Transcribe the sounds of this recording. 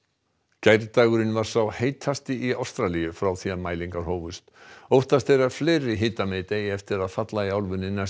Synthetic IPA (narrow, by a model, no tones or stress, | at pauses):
cajɾt̪aːɣʏɾɪnvaɾ̥sawheːjt̪ʰhast̪ɪiawst̪ɾalijʏfɾawθianmaːjliŋkaɾ̥hoːwvʏst̪owht̪ast̪ejɾḁfleːɾɪɦɪːt̪amet̪ejɪɛft̪ɪɾaðfat̪laiawlvʏnːɪnːa